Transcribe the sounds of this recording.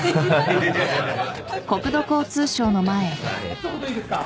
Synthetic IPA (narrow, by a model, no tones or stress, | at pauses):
ko̞kɯ̟d̪o̞ko̞ːt͡sɨːɕo̞ːno̞mae